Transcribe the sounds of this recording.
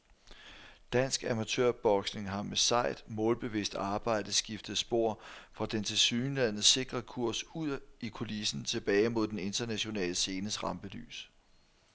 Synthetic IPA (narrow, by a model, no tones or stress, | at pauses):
d̥æn̰sɡ̥æmæt͡sʰø̰ɐ̰b̥ɒ̽ɡ̥sne̝ŋɦɑ̈mesɑ̈ɪ̰d̥mɔ̽ːlb̥e̝ʋḭsd̥ɑ̈ːb̥ɑ̈ɪ̰d̥əð̩ˠsɡ̥ifd̥ð̩ˠsb̥o̝ɐ̰fʁɑ̈d̥ent͡sʰe̝lsyːnlæn̰ð̩ˠse̝ɡ̥ʁɐkʰuɐ̰suð̰ˠikʰo̝lisn̩t͡sʰe̝b̥ɛːɪmo̝ð̞̰ˠd̥ene̝nd̥ɐnæɕo̝nɛ̰ːləse̝ːnəsʁɑ̈mb̥əly̰ːs